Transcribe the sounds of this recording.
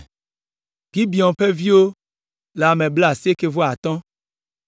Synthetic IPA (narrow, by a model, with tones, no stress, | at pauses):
ɡi˦bi˨ɔ̃˨ɸe˦vi˦wo˦ | le˨a˨mẽ˨ble˦a˨si˦e˦ke˨vo˦a˨t̪ɔ̃˦